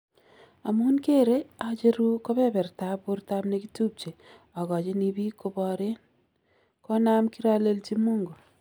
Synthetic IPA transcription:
a˨munke˦ɾe˦at͡ʃe˦ɾu˦kɔ˦pɛ˦bɛ˨rta˦bo˦rta˦bneki˦tu˦p̚t͡ʃe˨ | ɔ˨kɔ˨t͡ʃe˦nibi˦ko˦bɔ˨ɾe˦n | kɔ˦na˦mki˦ɾa˦le˦lt͡ʃi˦mu˦ŋɡo˨

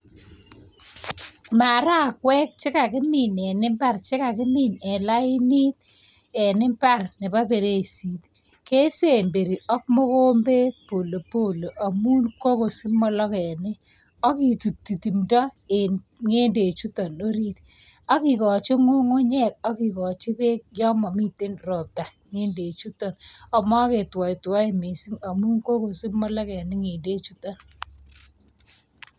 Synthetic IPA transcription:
ma˨ɾa˦˨kwɛ˦k̚t͡ʃɪ˦ka˨kɪ˦mɪ˨ɲɛ˨nɪ˦mba˦rt͡ʃɪ˦ka˨kɪ˦mɪ˦˨ɲɛ˨la˦ɪ˦ni˦t̪̚ | ɛ˨nɪ˦mpa˦˨rnɪ˨ba˦be˨ɾe˦˨si˨t | ke˦se˦˨mbe˨ɾi˨ʔɔ˦k̚mo˦ko˦mbe˦t̚po˨lo˨po˦˨lo˨ʔa˨mu˦nko˦ko˨si˦mɔ˦lɔ˦kɛ˨nɪ˦ | a˦ki˨tu˨tːi˨ti˨mda˦e | ŋe˦nde˨t͡ʃu˦tɔ˨no˦ɾi˦t | a˦ki˨kɔ˨t͡ʃe˦ŋo˦ŋo˦ɲɛ˦k̚a˦ki˨kɔ˨t͡ʃɪ˦pe˦k̚jɔ˦ma˨mi˦te˦nrɔ˨p̚ta˨ | ŋe˦nde˨t͡ʃu˦tɔ˨na˨mwa˦ke˨twa˨i˨twa˦e˨me˨si˦ŋa˨mu˦nko˦ko˨sɪ˦mɔ˦la˦kɛ˨nɪ˦ŋe˨nde˦t͡ʃu˦ta˨n

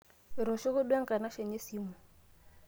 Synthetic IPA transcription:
ɾɔ˨ʃɔ˦kʊ˦ɗwa˦ŋ̩˦kʼa˨na˦ʃɛ˨ɲe˦si˦mu˨

